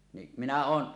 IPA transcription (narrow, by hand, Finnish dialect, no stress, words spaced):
ni minæ oːn